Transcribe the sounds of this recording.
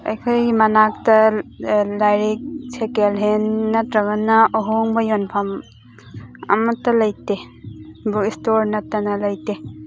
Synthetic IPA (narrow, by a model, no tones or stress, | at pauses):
ɐ̰jkʰɐjɡimɐnak̚tɐ | lajɾik̚sʰekelɦenːɐtɾɐɡɐnːɐʔoɦoŋbɐjonpʰɐm | ɐ̰mɐtːɐlɐjte | bukistoɾnɐtɐnɐlɐjte